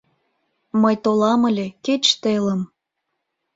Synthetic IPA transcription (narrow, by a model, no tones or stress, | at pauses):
məjt̪olɑmə̆lʲeket͡ɕt̪eləm